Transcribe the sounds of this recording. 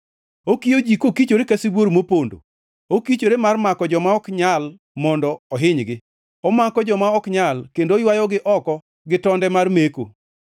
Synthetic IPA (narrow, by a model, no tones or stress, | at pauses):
okijod͡ʒikokit͡ʃoɾekasiboɾmopondo̰ | okit͡ʃoɾemarmakɔd͡ʒɔmaɔkɲal | mɔndɔɔɦɪɲɡɪ | ɔmakɔd͡ʒɔmaɔkɲalkendojwajɔɡɪʔɔkɔ | ɡɪtɔndɛmarmeko̰